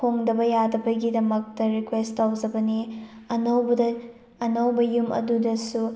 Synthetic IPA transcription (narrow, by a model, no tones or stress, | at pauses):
pʰoŋdɐbɐjadɐbɐɡidɐmɐk̚tɐɾikwestawzɐbɐni | ɐnɐwbɐdɐː | nɐwbɐjumʔɐ̰dudɐsu